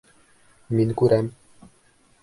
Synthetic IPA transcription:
minkuɾɛm

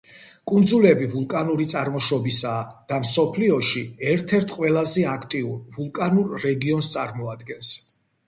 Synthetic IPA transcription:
kʼund̪zulɛbivulˠkʼanuɾit̪sʼaɾmɔʃɔbisaːd̪̥amsɔpʰliɔʃiɛɾt̪ʰɛɾt̪ʰqʼwɛlˠazɛakʰt̪ʼiuɾvulˠkʼanuɾːɛɡiɔnst̪sʼaɾmɔad̪ɡɛns

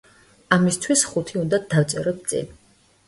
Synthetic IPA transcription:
amist̪ʰwisχut̪ʰiund̪ad̪avt̪sʼɛɾɔp̪̚sʼḭn

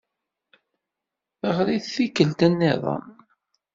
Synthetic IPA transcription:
əʁɾiθθikːəlt̪ænːɪðˤɑ̰m

